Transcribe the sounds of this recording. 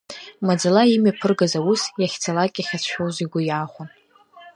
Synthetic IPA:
mad͡zalaimɥapʰɨrɡazawusjaχʲt͡sʰalakʲʼaχʲat͡sʰʃᶣowziɡʷʊjaːχʷʊn

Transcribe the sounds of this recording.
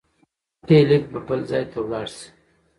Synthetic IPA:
t̪elɪk̚bəbəlzɑjt̪ʰawlɑɽs

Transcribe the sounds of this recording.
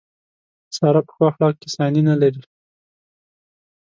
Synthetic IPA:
sɑɾapə̥xwɑxlɑk̚kɪsɑninalaɾi

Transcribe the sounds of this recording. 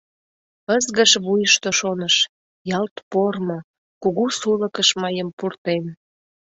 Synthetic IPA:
əzɣəʃβujəʃt̪oʃonəʃ | jɑlt̪pormo | kuɣusuləkəʃmɑjəmpurt̪en

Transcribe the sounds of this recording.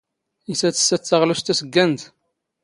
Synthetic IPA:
isæt͡sːə̥sæt͡sːɑʁlust̪æsəɡːænt̪

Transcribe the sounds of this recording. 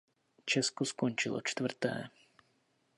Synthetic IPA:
t͡ʃɛskoskont͡ʃɪlo̰t͡ʃt̪vr̩t̪ɛ̰ː

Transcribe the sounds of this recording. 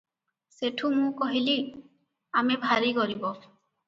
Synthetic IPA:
seʈʰumũkɔɦili | amɛbʱaɾikɔɾibɔ

